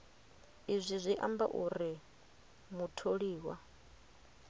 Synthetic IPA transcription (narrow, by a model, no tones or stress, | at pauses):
izʷizʷiʔamba̰ʔuɾi | mutʰoɺiːwa